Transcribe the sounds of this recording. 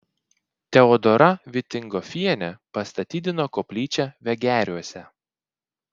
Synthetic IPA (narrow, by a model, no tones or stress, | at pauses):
t̪ʲɛɔd̪ɔɾʔɐʋʲɪt̪ʲɪŋɡɔfʲiɛnʲɛpɐst̪ɐt̪ʲiːd̪ʲɪnoːkoːpʲlʲiːt͡ʃʲɛʋʲɛɡʲæːɾʲuɔsʲɛ